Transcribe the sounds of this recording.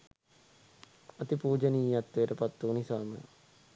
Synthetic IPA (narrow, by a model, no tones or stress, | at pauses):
ɐt̪ipuːd͡ʒəniːjat̪ːʋejəʈəpat̪ːuːnisaːmə̰